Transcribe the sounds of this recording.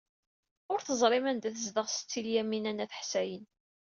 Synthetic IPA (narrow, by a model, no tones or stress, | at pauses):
ʊɾθəzˤɾˤɪmænd̪æθəzðəʁsə̥t͡sːiljæmːinænːæθə̥ħsæjən